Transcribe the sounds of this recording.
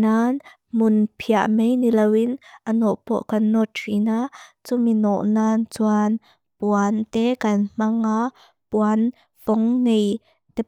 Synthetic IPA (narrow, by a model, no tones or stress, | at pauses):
naːn | mʊnpʰiaʔmejnilewɪnʔənɔʔpɔ̰ʔkɐnːɔtʰrinat͡suminɔʔnaːnt͡suan | puant̪ɛkɐnm̥aŋa | puan | pɔŋnej | t̪ɛ